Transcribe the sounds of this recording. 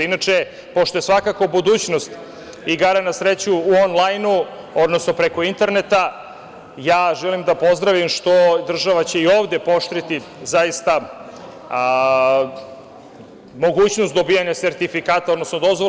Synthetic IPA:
inat͡ʂe | po̞ʃt̪o̞jesʋakako̞bud̪uːt͡ɕno̞st̪ | iɡaɾanasɾet͡ɕuːonlˠajnu | o̞d̪no̞sno̞pɾeko̞int̪e̞ɾne̞t̪a | jaːʒɛlimd̪apo̞zd̪ɾaʋimʃt̪o̞d̪r̩ʒaʋat͡ɕe̞io̞ːvd̪e̞po̞ʃt̪ɾit̪i | zajist̪a | mo̞ɡuːt͡ɕnost̪d̪o̞bijaɲaseɾt̪ifikaːt̪aod̪no̞snod̪o̞zʋo

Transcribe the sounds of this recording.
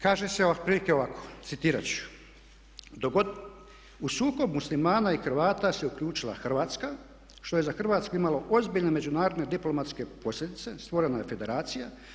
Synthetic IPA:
kaːʒeseoapɾiːlikeoʋakʰo̥t̪sit̪iːɾat͡ɕu̥ | d̪oɡo | usuːko̞bmuslimaːnaixr̩ʋaːt̪aseukʎʲuːt͡ʃilˠa̰xr̩ʋaːt̪ska | ʃt̪o̞je̞zaxr̩ʋaːt̪skuimalo̞ʔo̞zbiʎne̞med͡ʑunaːɾod̪ne̞d̪iplo̞mat̪ske̞po̞slʎʲe̞d̪it̪se̞st̪ʋo̞ɾe̞najefe̞d̪e̞ɾaːt̪sija

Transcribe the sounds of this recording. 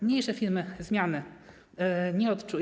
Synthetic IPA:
mɲejʂɛfʲiɾmɘzmʲjanɘ | ɲɛɔt̪t͡ʂu

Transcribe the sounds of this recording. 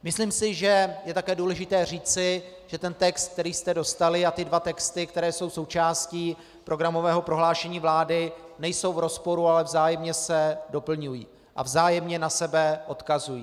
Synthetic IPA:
mɪsliːmsɪʒɛjɛt̪akɛːduːlɛʒɪt̪ɛːr̝iːt͡sɪ | ʒ̥ɛt̪ɛnt̪ɛkst̪̚k̚t̪ɛɾiːst̪ɛdo̞st̪alɪat̪ɪdvat̪ɛkst̪ɪkt̪ɛɾɛːso̞wso̞wt͡ʃaːsciː | pɾo̞ɡɾamo̞vɛːɦo̞pɾo̞ɦlaːʃɛɲiːvlaːdɪnɛjso̞wvɾo̞spo̞ɾualɛvzaːjɛmɲɛsɛdo̞pl̩ɲujḭː | ʔa̰vzaːjɛmɲɛnasɛbɛʔo̞t̪kazujiː

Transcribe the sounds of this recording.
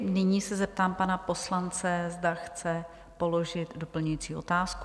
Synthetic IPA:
nɪɲiːsɛzɛp̚t̪aːmpanapo̞slant͡sɛzdaxt͡sɛ | po̞lo̞ʒɪt̪do̞pl̩ɲujiːt͡siːʔo̞̰t̪aːsku

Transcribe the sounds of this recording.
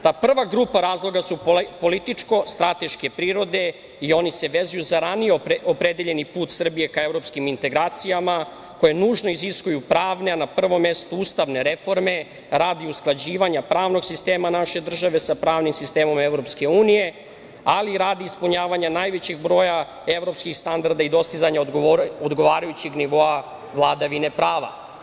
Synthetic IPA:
t̪aːpr̩ʋaɡɾupaɾaːzlˠo̞ɡasuppo̞lit̪it͡ʂko̞st̪ɾat̪e̞ʃke̞pɾiːɾo̞d̪e̞ | io̞nise̞ʋe̞zujuzaɾanijeopɾe̞d̪eʎe̞nipuːt̪sr̩bije̞kaevɾo̞pskimint̪e̞ɡɾaːt̪sijama | ko̞je̞nuːʒno̞iziskujupɾaːʋneanapr̩ʋo̞mːest̪uuːst̪aʋne̞ɾe̞fo̞ɾme̞ | ɾaːd̪iusklˠad͡ʑiːʋaɲapɾaːʋno̞ɡsist̪e̞ːmanaʃe̞d̪r̩ʒaʋe̞sapɾaːʋnimsist̪e̞ːmo̞meʋɾo̞pske̞uːnije̞ | aliɾaːd̪iːspuɲaːʋaɲanaːjʋe̞t͡ɕeɡbɾo̞ːja | e̞ʋɾo̞pskixst̪and̪aɾd̪aid̪o̞st̪izaɲaod̪ɡo̞ʋaːɾajut͡ɕeɡniʋo̞a | ʋlˠad̪aʋine̞pɾaːʋa̰

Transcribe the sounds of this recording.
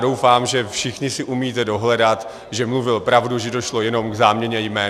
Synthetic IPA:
dowfaːmʒɛfʃɪxɲɪsɪʔumiːt̪ɛdo̞ɦlɛdat̪ | ʒɛmluvɪlpɾavduʒɛdoʃlo̞jɛno̞mɡzaːmɲɛɲɛjmɛː

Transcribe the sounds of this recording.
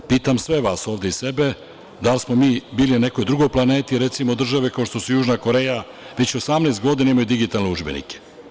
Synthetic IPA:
piːt̪amsʋe̞ʋaːsoːʋd̪e̞ise̞be̞ | d̪alsmo̞miːbiːlinane̞ko̞jd̪ɾuɡo̞jplane̞ːt̪iɾe̞t̪simo̞d̪r̩ʒaʋekaoʃt̪o̞sujuːʒnako̞ɾe̞ːja | ʋet͡ɕo̞samneːst̪ɡo̞d̪inaimajud̪iɡit̪alneuʒbe̞̰nḭke̥

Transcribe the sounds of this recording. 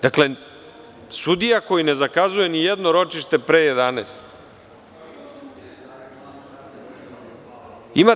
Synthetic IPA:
d̪̥akle̞ | sud̪ijako̞jine̞zakazuje̞nijed̪no̞ɾo̞t͡ʃiʃt̪e̞pɾeːjed̪anḛst̪ | ima

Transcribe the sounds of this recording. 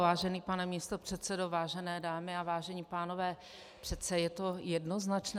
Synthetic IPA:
vaːʒɛniːpanɛmiːst̪o̞pr̝̥ɛt̪sɛdovaːʒɛnɛːdaːmɪavaːʒɛɲiːpaːno̞vɛː | pr̥ɛt̪sɛjɛt̪o̞jɛdnoznat͡ʃn

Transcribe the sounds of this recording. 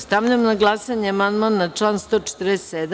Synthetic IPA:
st̪amʎemnaɡlˠasaɲeamand̪manːat͡ʂlˠaːnst̪oːt͡ʃe̥t̪ɾest̪sed̪

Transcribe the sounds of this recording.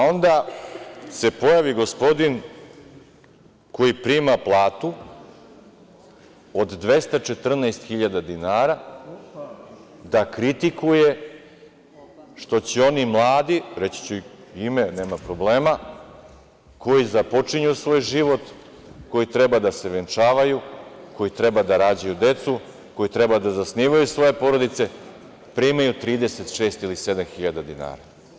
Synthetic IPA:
ao̞nd̪a | se̞po̞jaʋiɡo̞spo̞d̪in | ko̞jipɾiːmaplˠaːt̪u | od̪d̪ʋe̞st̪at͡ʃe̞t̪r̩naɛest̪xiʎad̪ad̪inaːɾa | d̪akɾit̪ikuje̞ | ʃt̪o̞t͡ɕeo̞nimlˠaːd̪iɾe̞t͡ɕi̥t͡ɕeime̞ne̞ːmapɾo̞bleːma | ko̞jizapo̞t͡ʂiɲusʋo̞ːjʒiʋo̞t̪ | ko̞jit̪ɾe̞bad̪ase̞ʋent͡ʂaːʋajuko̞jit̪ɾe̞bad̪aɾaːd͡ʑajud̪e̞t̪su | ko̞jit̪ɾe̞bad̪azasniʋajusʋo̞je̞po̞ɾo̞d̪it̪se̞ | pɾiimajut̪ɾiːd̪e̞se̞t̪ʃeːst̪ilise̞d̪amxiʎad̪ad̪ina̰ːɾa̰

